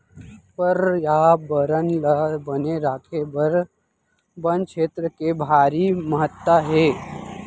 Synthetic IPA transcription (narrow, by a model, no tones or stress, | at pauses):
pəɾjabəɾənləbəneɾaːkʰebəɾ | bənkʃeːt̪ɾəkebʱaːɾiməɦət̪waɦeː